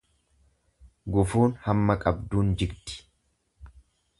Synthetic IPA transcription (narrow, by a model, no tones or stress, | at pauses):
ɡʊfuːnhɐmːɐkʼɐbd̪uːnd͡ʒɪɡt̪ɪ̥